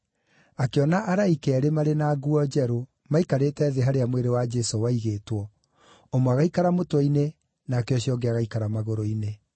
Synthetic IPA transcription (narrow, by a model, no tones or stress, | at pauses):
akeɔnaʔaɾaikɛːɾemaɾenaɡuɔd͡ʒɛɾo | maikaɾetɛðeɦaɾeamweɾewad͡ʒɛsowaiɣetwɔ | omwaɣaikaɾamotwɔine | naːkeɔɕiɔɡeaɣaikaɾamaɣoɾoine